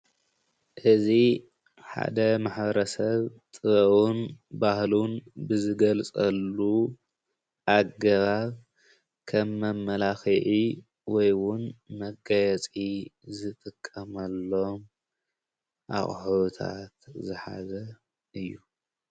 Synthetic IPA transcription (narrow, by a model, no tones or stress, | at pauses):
ʔɨzi | ħa̰d̪ɐmaħβɐɾɐsɐβt̪ʼɨβɐwunbahlunbɨzɨɡɐlt͡sʼɐlːu | ʔaɡɐβaβ | kʰɐmːɐmːɐlaxiʔi | wɔjwʊnmɐɡajɛt͡sʼizɨt̪ʼɨkʼːɐmɐlːo̞m | ʔa̰χʼħt̪ʰa̰t̪zɨħa̰zɐ | ʔɨjːu